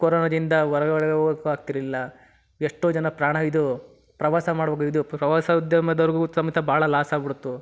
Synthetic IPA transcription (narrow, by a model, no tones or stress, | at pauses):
koɾoːnɐd̪ind̪ɐʋɐɾɐɡɐʋɐɾɐɡɐkːuaːk̚t̪iɾɐilːɐ | eʂʈoːd͡ʒɐnɐpɾaːɳ̃ɐid̪u | pɾɐʋaːsɐmaːɽbɐːɡid̪upɾɐʋaːsɐud̪jɐmɐd̪ɐɾɡusɐmɐt̪ʰːɐbaːɭɐlaːsaːbiɽut̪ːu